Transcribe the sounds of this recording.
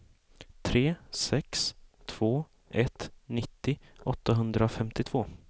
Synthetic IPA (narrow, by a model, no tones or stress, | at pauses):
t̪ʰɾeːsɛkst̪ʰv̥oː | ʔɛt̪nɪt̪ːɪʔɔt̪ːaɦɵnd̪ɾaɔfɛmt̪ɪt̪ʰv̥oː